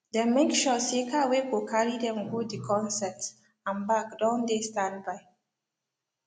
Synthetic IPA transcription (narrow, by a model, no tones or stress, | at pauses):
dɛmekʃɔsikʰawekokʰaɹidɛ̃mɡudikʰɔ̃nsɛts | ãnbakdɔ̃ndestãndbaɪ